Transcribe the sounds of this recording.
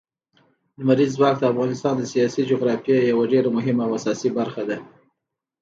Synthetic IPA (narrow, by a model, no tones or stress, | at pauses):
d̪əmaɾizːwɑk̚d̪əafɣɑnɪst̪ɑnd̪əsijɑsid͡ʒoɣɾɑfjajawaɖeɾamʊɦɪmawasɑsibaɾxad̪a